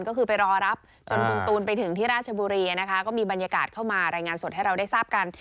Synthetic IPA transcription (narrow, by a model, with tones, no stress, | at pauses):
nkɔː˥˩kʰɯː˧pa˧jɾɔː˧ɾa˦˥p̚ | t͡ɕo˧nku˧nt̪uː˧npa˧jt̪ʰɯ˨˩˦ŋt̪ʰiː˥˩ɾaː˥˩t̪̚t͡ɕʰa˧buː˧ɾiː˧ana˦˥kʰa˦˥kɔː˥˩miː˧ba˧njaː˧kaː˨˩t̪̚kʰa˥˩wmaː˧ɾaː˧jŋaː˧nso˨˩t̚ha˥˩jɾa˧wda˥˩jsaː˥˩p̚ka˧n